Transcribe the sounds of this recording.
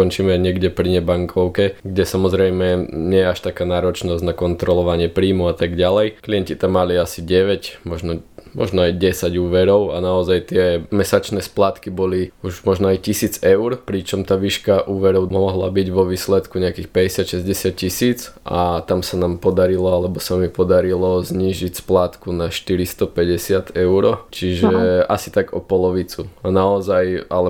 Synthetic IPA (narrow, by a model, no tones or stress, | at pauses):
kɔnt͡ʃiːmɛɲɪɛɡɟɛpɾiɲɛbaŋkʰɔʊkɛɡɟɛsamɔzɾɛjmɛɲɪɛjɛaʃt̪akaːnaːɾɔt͡ʃnɔzɟnakɔnt̪ɾɔlɔʋaɲɪɛpɾiːmuat̪aɡɟalɛjkliɛncit̪amːaliasiɟɛʋɛcmɔʒnɔmɔ̰ʒnɔajɟɛsaɟuːʋɛɾɔʊanaɔzajt̪ɪɛmɛsat͡ʃnɛːsplaːt̪kibɔliuʒmɔʒnɔajcisiːd͡zɛʊɾpɾit͡ʃɔmt̪aːʋiːʃkaʔuːʋɛɾɔʊmɔɔɦla̰biɟʋɔʋiːslɛt̪kuɲɛakiːxpɛɟɛsɪat̪ʃɛzɟɛsɪat̪̚cisiːt͡sa̰t̪amsanaːmpɔd̪aɾilɔalɛbɔsamipɔd̪aɾilɔzɲiːʒicsplaːt̪kunaʃt̪iɾist̪ɔpɛɟɛsɪat̪ɛʊɾɔt͡ʃiʒɛʔasi̥t̪aɡɔpɔlɔʋit͡suanaɔzajalɛ